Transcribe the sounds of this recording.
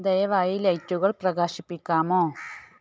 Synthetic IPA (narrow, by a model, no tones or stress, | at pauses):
d̪ɐjɐʋaːjilɐjtːuɣɐɭprɐɣaːɕipːikʲːaːmoː